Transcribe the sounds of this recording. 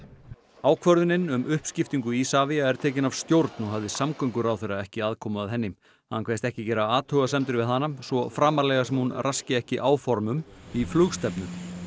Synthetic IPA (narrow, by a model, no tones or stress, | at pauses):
aːwkʰvœɾðʏnɪnʏmʔʏhpscɪft̪iŋkʏisaːviaɛɾ̥t̪ʰɛːcɪnavst̪jowɾt̪nɔɦavðɪsamkʰœŋkʏɾawθejɾaðɛhcɪaːðkʰɔːmʏaðɦɛnːɪm | hakʰveːst̪ɛhcɪcɛːɾaaːt̪ʰœːɣasɛmt̪ɪɾvɪðθanːamsvɔfɾaːmaɾlɛɣasɛmhunrʔascɪɛhcɪʔaːwfɔɾmʏmiflʏɣst̪ɛpnʏm